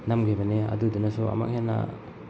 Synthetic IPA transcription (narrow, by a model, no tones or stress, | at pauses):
namɡʰebɐneɐ̰dudunɐsuɐ̰ma̰k̚henɐ̰